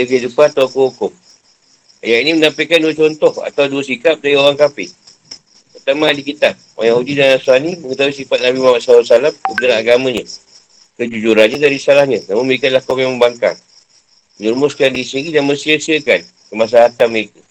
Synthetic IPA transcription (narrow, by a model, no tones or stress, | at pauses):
dəkiədupat̪awkəɦukʊm | a̰jaʔinimənampeʔkanduət͡ʃɔnt̪ɔha̰t̪awduəsikap̚daɾioɣaŋkapɪh | pərt̪amãːdikit̪ap̚wa̰jaŋhudidanasuaniməkət̪awisifat̪̚nabimahmat̪̚sausalamkədaŋaɡamãɲə | kəd͡ʒud͡ʒuɾanɲadaɾisalahɲə̃namʊnməɾikanlahkomaməmbaŋka̰ŋ | məɲulmʊskandisiɡidanməsiəsiəkan | kəmas̬aɦat̪aməɾeka